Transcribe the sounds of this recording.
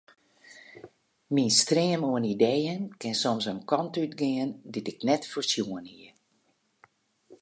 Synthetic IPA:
minstrɪəmoənidejənkɪnsɔmsənkɔntytɡɪənditɪknɛtforsjuənhiə

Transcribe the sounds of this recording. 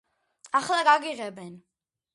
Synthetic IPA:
aχlaɡaɡiʁɛbɛn

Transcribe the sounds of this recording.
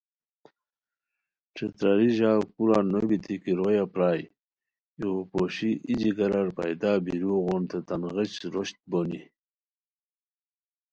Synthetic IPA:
ʈ͡ʂet̪ɾaɾiʑawkuɾanobit̪ʰikiɾojapɾaːj | oopoɕiʔid͡ʑiɡɐɾaɾpa̰jd̪aːbiɾuɣont̪et̪anɣit͡ɕɾoɕt̪̚boni

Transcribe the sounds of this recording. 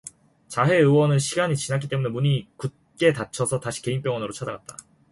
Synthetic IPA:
t͡ɕaɦe̞ɯwʌnɯnɕʰiɡaɲit͡ɕinak̬͈ʰit͈emune̞muɲikut̚k͈e̞tat͡ɕʰʌsʰʌtaɕʰi̥ke̞inp͈jʌŋʌnɯɾot͡ɕʰad͡ʑaɡat̚t͈a

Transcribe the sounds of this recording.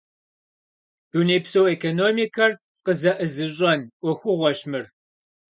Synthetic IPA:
unipsowekʰonoːmikʰɐr | qəzɐʔɨzɨɕ̬ʼɐnʔʷɔxʷʊʁʷɔɕmɨr

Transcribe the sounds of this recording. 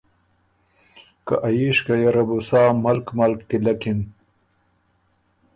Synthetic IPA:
ka̰ʔajiʂkajaɾabusaːmɐlkmɐlkt̪ilɐkim

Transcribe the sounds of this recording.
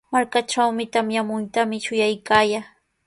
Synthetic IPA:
maɾkaʈ͡ʂawmɪt̪amjamʊjt̪amɪʃʊjajkaːjaː

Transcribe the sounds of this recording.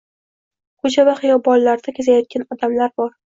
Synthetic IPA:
kʰɵt͡ʃʰavaχɨjɒbɒlˠːaɾd̪akʲʰezajɒt̪̚kʲanɒd̪amlaɾbɒɾ

